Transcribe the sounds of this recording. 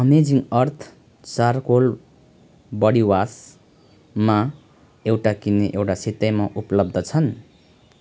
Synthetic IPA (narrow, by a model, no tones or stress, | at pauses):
ʌmed͡ziŋʌrt̪ʰ | t͡sarkol | bʌɽiwas | ma | ewʈakineʔewʈasit̪ʌjmaʔupʌlʌb̚d̪ʱʌt͡sʰʌn